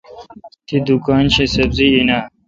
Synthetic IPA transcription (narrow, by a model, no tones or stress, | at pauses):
t̪ʰid̪ukaːnɕesɐbziːna